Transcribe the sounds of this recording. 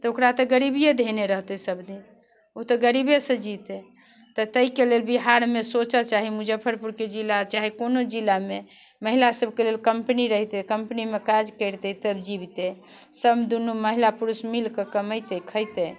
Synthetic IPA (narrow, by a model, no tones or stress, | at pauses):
t̪ɔokɾat̪əɡəɾibijed̪ʱeneɾəɦt̪ɛsəbd̪in | ot̪əɡəɾibjesə̃d͡ʒit̪ɛ | t̪ət̪əjkelelbiɦaɾmesot͡ʃət͡ʃaɦimud͡ʒəpʰəɾpuɾked͡ʒilat͡ʃaɦikonod͡ʒilameməɦilasəbkelelkəmpniɾəɦt̪ɛkəmpnimekad͡ʒkəɪɾt̪ɛt̪əbd͡ʒibt̪e | səbd̪unuməɦilapuɾusmilkekəməjt̪ɛkʰəjt̪ɛ